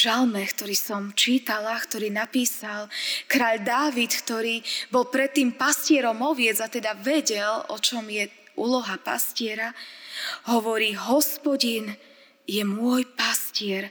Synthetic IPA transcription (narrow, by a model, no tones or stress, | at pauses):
ʒalmɛkt̪ɔɾiːsɔmt͡ʃiːt̪alakt̪ɔɾiːnapiːsalkɾaːʎd̪aːʋit̪kt̪ɔɾiːbɔlˠpɾɛt̪ːiːmpascɪɛɾɔmɔʋɪɛd͡zat̪ɛd̪aʋɛɟɛlɔ̰t͡ʃɔmjɛ | ʔuːlɔɦapa̰scɪɛɾa | ɦɔʋɔɾiːɦɔspɔɟin | jɛmʊɔjpascɪɛɾ